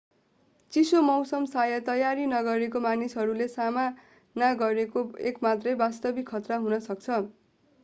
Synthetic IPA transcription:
t͡sisomʌwsʌmsajʌt̪ʌjaɾinʌɡʌɾek̬omanisɦʌɾulesama | naɡʌɾekoekmat̪rʌjbast̪ʌbikʰːʌt̪raɦunʌsʌk̚t͡sʰʌ

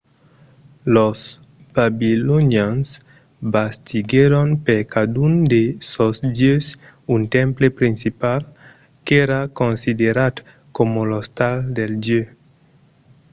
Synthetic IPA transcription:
los | b̥abiloɲjans | bast̪iɡeɾonpeɾkad̪und̪esosd̪jøs | unt̪ẽmplepɾinsipal | keɾakonsid̪eɾad̪ | komolost̪ald̪eld̪jø

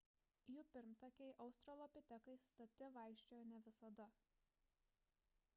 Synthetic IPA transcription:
juːpʲɪɾmt̪ɐkʲɛɪʔɐʊst̪ɾɐlˠɔpʲɪt̪ʲɛkɐɪst̪ɐt̪ʲɪʋɑˑɪkʃʲt͡ʃʲojnʲɛʋʲɪsɐd̪ɐ

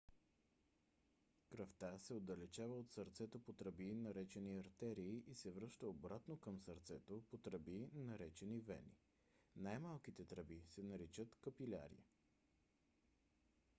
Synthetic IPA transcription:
kɾɐft̪asɛod̪ɐlɛt͡ʃavəot̪səɾt̪sɛt̪opot̪ɾɐbinɐɾɛt͡ʃɛniɐɾt̪ɛɾiːʔisɛvɾɤʃt̪əobɾat̪nokəmsəɾt̪sɛt̪opot̪ɾəbinɐɾɛt͡ʃɛnivɛ̰nḭ | najmalˠkit̪ɛt̪ɾəbisɛnɐɾit͡ʃət̪kəpilʲa̰ɾḭə̰

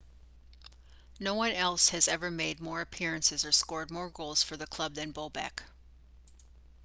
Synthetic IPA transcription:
noʊwʌ̃nɛlˠshɨzɛvə˞meɪd̚mɔɹɨpʰɪɹɨ̃nsɨzə˞skɔɹd̚mɔɹɡoʊlˠz̥fə˞ðɨkʰl̥ʌb̚ðɨ̃nboʊbæ̰k

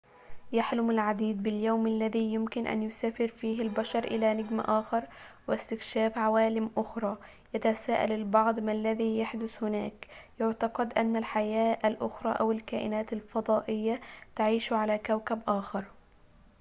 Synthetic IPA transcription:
jaħlʊmalʕad̪iːd̪̚bɪljawmalːaðiːjʊmkɪnʔa̰njʊsaːfɪɾfiːɦalbaʃɑɾˤʔɪlanɪɡma̰ʔaːxɑɾˤwɪst̪ɪkʃaːfʕawaːlɪmʔʊxɾˤɑː | jat̪asaːʔa̰lɪlbɑʕd̪ˤmalːaðiːjaħd̪ʊθhʊna̰ːkjʊʕt̪ɑqɑd̪ʔanːalħajaːʔalʔʊxɾˤɑ̰ːʔawɪlkaːʔɪ̰naːt̪alfɑd̪ˤɑːʔɪjːat̪aʕiːʃʕalakawkabʔaːxɑɾˤ

